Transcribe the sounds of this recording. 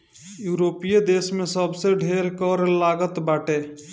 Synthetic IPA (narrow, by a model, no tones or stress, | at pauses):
juɾopijed̪esmesəbseɖʱeɾkəɾlaɡət̪baʈe